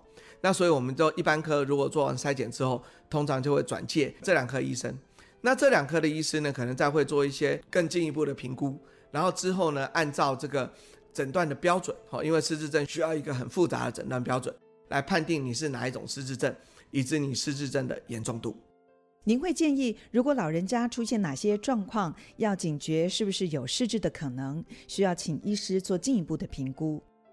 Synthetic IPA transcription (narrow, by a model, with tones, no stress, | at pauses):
na˥˩swɔ˧˥i˨˩wɔ˨˩mə˦nt͡ɕjo˥˧ʊʔi˥˩pa˦˥nkʰɤ˥ɻu˧˥kwɔ˨˩t͡swɔ˥˩wa̰˧˥ŋsa˥ɪt͡ɕjɛ˨˩nʈ͡ʂɻ̩˥xo˥˩ʊt̪ʰo˥ŋʈ͡ʂʰɑ˧˥ŋt͡ɕjo˧ʊxwe˥˩ɪʈ͡ʂwa̰˨˩nt͡ɕjɛ˥˩ʈ͡ʂɤ˥˩ljɑ˨˩ŋkʰɤ˥ḭ˧˥ʂə̰˥ŋ | na˥˧ʈ͡ʂɤ˥˩ljɑ˨˩ŋkʰɤ˥˩ɾə˨i˥ʂ̩˥nə˨kʰɤ˨˩nə˧˥ŋt͡sa˥˧ɪxwe˥˧ɪt͡swɔ˥˧i˥˩ɕjɛ˥kə˥˧ŋt͡ɕi˥˧ŋi˧˥pu˥˩ɾə˩pʰi˧˥ŋku˦ | ɻa˧˥nxo˥˩ʊʈ͡ʂɻ̩˥xo˥˩ʊnə˨ʔa˥˧nt͡sɑ˥˧ʊʈ͡ʂɤ˥˩ɡə˩ | ʈ͡ʂə˨˩nt̪wa˥˩nd̪ə˩pjɑ˥ʊʈ͡ʂwə˨˩˦nxɔ̰˥˩˨ʔḭ˦˥nwe˥˧ɪʂɻ̩˥˧ʈ͡ʂɻ̩˥˧ʈ͡ʂə˥˩nɕy˥jɑ˥˩ʊi˧˥ɡə˨xə˨˩nfu˥˩t͡sa̰˧˥d̪ə̰˨ʈ͡ʂə˨˩nt̪wa˥˩npjɑ˥ʊʈ͡ʂwə̰˨˩˦n | la̰˧˥ɪpʰa˥˧nt̪i˥˩ŋni˨˩ʂ̬ɻ̩˥˩na̰˨˦i˥˩ʈ͡ʂʊ̰˨˩ŋʂɻ̩˥˧ʈ͡ʂɻ̩˥˧ʈ͡ʂə˥˩n | i˨˩ʈ͡ʂɻ̩˧˥ni˨˩ʂɻ̩˥˧ʈ͡ʂɻ̩˥˧ʈ͡ʂə˥˩nd̪ə̰˩jɛ̰˧˥nʈ͡ʂʊ˥˧ŋt̪ṵ˥˩ | ni˧˥nxwe˥˧ɪt͡ɕjɛ˥˧ni˥˩ɻu˧˥kwɔ˧˥lɑ˨˩ʊɻə˧˥nt͡ɕja˥ʈ͡ʂʰu˥ɕjɛ˥˩nna˨˩ɕjɛ˥ʈ͡ʂwɑ˥˧ŋkʰwɑ˥˧ŋjɑ˥˩ʊt͡ɕi˨˩ŋt͡ɕɥɛ˧˥ʂɻ̩˥˩bu˩ʂɻ̩˥˩jo˨˩ʊʂɻ̩˥˧ʈ͡ʂɻ̩˥˩d̪ə˩kʰɤ˨˩nɤ˧˥ŋɕy˥jɑ˥˩ʊt͡ɕʰi˨˩ŋi˥ʂɻ̩˥t͡swɔ˥˧t͡ɕi˥˧ni˧˥pu˥˩d̪ə˩pʰi˧˥ŋku˥